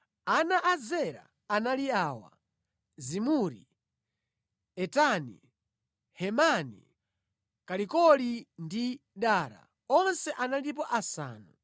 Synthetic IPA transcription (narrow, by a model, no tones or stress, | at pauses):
anaʔazɛɾa̰ːnaliaːwa̰ | zimuɾḭ | ɛtanḭ | hɛmanḭ | kalikɔlindiɗaːɾa̰ | ɔnsɛʔanalip̬ɔʔasa̰ːnu